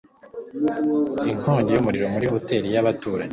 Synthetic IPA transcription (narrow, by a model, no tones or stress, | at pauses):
iŋkoːɲɟejumuɾiɾo̞muɾiho̞te̞ːɾijaβatuːɾa̰ɲe